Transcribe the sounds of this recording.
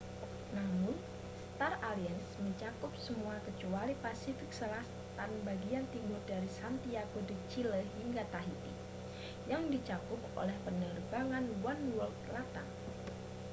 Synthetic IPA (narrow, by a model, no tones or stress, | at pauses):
namʊn | st̪araliənsməɲt͡ʃakʊp̚səmuakət͡ʃualipasifɪk̚səlas | t̪anbaɡiant̪iŋʊrdaɾisant̪iakodət͡ʃiləɦiŋɡat̪aɦit̪ḭ | jaŋdit͡ʃakʊp̚o̰lɛhpənərbaŋanwanwɔlklat̪a̰